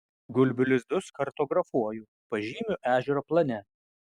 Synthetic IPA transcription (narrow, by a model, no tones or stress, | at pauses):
ɡʊlʲbʲɪlʲɪzd̪ʊskɐɾt̪oːɡɾɐfuɔjʊ | pɐʒʲiːmʲʊʔæːʒʲɛɾoːplˠɐnʲɛ